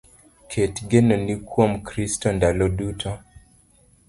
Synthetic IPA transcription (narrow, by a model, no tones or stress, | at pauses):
kʰetɡenɔnikwomkɾistɔndalɔdutʰɔ